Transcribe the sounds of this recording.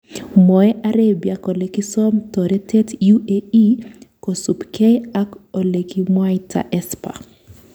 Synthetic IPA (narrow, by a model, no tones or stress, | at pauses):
mɔɛʔaɾebjakolekɪsɔmtɔɾɛtɛtjuʔeikosupkɛjakolekimwajtʰa̰ʔɛspa̰